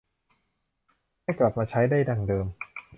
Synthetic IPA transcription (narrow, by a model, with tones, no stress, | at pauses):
maː˥˩jkla˨˩p̚maː˧t͡ɕʰa˦˥jdaː˥˩jda˧ŋdɤː˧m